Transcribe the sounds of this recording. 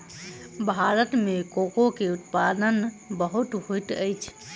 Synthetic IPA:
bʱaɾət̪mekokokeut̪pad̪ən | bəɦut̪ɦojt̪əjt͡ʃʰ

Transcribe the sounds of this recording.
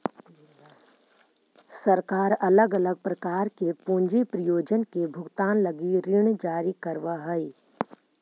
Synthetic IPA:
səɾkaːɾɐləɡɐləɡ̚pɾɐkaːɾkepũːɲd͡ʒipɾəjoːd͡ʒənkebʱʊɡt̪aːnləɡiɾɪɳ̃d͡ʒaːɾikəɾʋaɦəi

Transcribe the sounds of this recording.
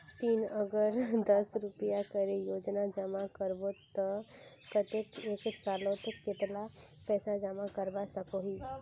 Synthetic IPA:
t̪iːnəɡəɾd̪əsɾʊpijakəɾejoːd͡ʒnad͡ʒəmakəɾbot̪ə | kət̪ekeːksaːlot̪kɪt̪lapɛːsad͡ʒəmakəɾbasəkoɦiː

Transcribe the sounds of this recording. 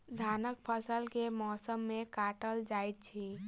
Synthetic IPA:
d̪ʱaːnək̚pʰəsəlkemɔːsəmːẽkaːʈəld͡ʒaːjt̪̚t͡ʃʰi

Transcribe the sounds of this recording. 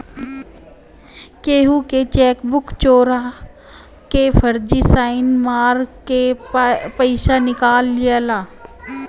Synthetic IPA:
keːɦuket͡ʃɛːkbʊkt͡ʃoːɾa | kefʰəɾd͡ʒisaːɪnmaːɾke | pəɪʃanɪkaːlːɪjalaː

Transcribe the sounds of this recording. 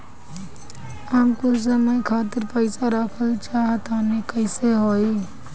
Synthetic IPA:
amkos̬əməikʰaːt̪ɪɾpəɪsaɾəkʰəlt͡ʃaːɦət̪aːnekəɪseɦoːeː

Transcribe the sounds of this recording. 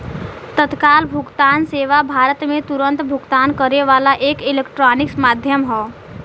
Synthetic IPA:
t̪ət̪kaːlbʱʊɡt̪aːnseːʋabʱaːɾət̪mẽt̪uɾə̃nt̪bʱʊɡt̪aːnkəɾeʋaːlaʔeːkɪlekʈɾaːnɪksmaːd̪ʱjəmɦɔː

